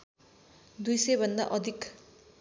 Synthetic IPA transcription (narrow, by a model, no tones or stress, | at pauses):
d̪ujsʌjbʱʌnd̪a̰ʔʌd̪ʱik